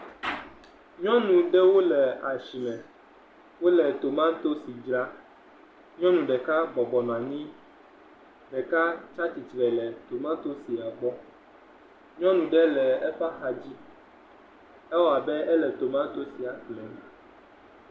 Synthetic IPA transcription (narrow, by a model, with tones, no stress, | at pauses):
ɲɔ̃˦nũ˨ɖɛ˦wo˦lɛ˨a˨ʃi˨mɛ̃˨ | wo˦lɛ˨t̪o˨mã˦t̪o˦si˨d͡ʒɾa˦ | ɲɔ̃˦nũ˨ɖɛ˨ka˦ɡ͡bɔ˨ɡ͡bɔ˨nɔ̃˨a˨ɲĩ˦ | ɖɛ˨ka˦t͡ʃa˦t͡ɕi˨t̪ɾɛ˨lɛ˨t̪o˨mã˦t̪o˦si˨a˨ɡ͡bɔ˦ | ɲɔ̃˦nũ˨ɖɛ˦lɛ˨ɛ˦ɸa˦xa˨d͡ʑi˦ | ɛ˦wɔ˦˨a˨bɛ˦ʔɛ˦lɛ˨t̪o˨mã˦t̪o˦si˨a˨klɛ˨nɛ̃˨